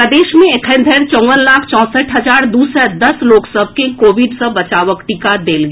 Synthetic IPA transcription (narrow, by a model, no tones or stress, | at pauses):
əd̪eːʃmẽɪkʰə̃nd̪ʱəɾt͡ʃɔ̃ːʋənlaːkʰt͡ʃɔ̃ːsəʈʰɦɐd͡ʒaːɾd̪uːsɛd̪ɐsloːksəb̚ʱkekoːʋɪɖsəbɐt͡ʃaːʋəkʈikad̪eːlɡ